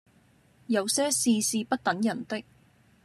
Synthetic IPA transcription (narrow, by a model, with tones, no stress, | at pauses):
jɐ˨˧wsɛː˥siː˧siː˧pɐ˥t̚t̪ɐ˨˥ŋjɐ˨˩nt̪ɪ˥k̚